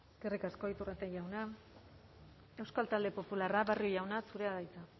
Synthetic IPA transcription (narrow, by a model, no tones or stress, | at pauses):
skerikasko̞it̪urat̪eʝawna | e̞wskalt̪ald̪e̞po̞pularaβariojawnasuɾe̞aðajt͡sa